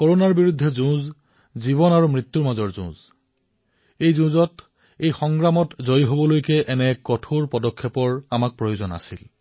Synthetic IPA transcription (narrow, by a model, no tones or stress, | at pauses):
koɹonaɹbiɹudʱːɛzũz | ziβɔnaɹumɹit̪ːuɹmazɔɹzʊ̰̃z | ejzũzɔt | ejxɔŋɡɹamɔtzojɦobɔlojkɛʔɛnɛkɔtʰoɹpɔdɔkʰːɛpɔɹamak̚pɹojozɔna̰sil